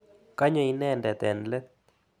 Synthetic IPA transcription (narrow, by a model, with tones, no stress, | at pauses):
ka˦ɲɔ˦i˦nɛ˦ndɛ˨t̪ɛ˨nlɛ˦